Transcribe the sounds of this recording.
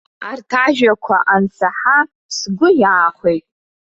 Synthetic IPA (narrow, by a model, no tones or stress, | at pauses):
artʰaʒᶣakʷʰaʔant͡sʰaħa | sɡʷʊjaːχʷejtʼ